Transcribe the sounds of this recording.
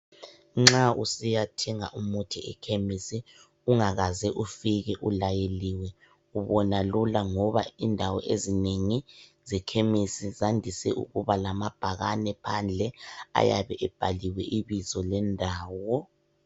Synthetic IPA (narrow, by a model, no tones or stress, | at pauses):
ŋ͡ǁausijatʰɛŋa̰ʔumutʰiɛ̰kʰemisi | uŋaɣazɛʔufiɣɛʔulajeliwɛ | uβɔnalulaŋɔβaindʱawɔ̰ʔezineŋizɛkʰemisizandʱisɛ̰ʔṵɣuβalamab̥ʱaɣanɛpʰand͡ɮʱɛa̰jaβɛʔɛb̥ʱaliwɛʔiβizɔlɛndʱaːwɔ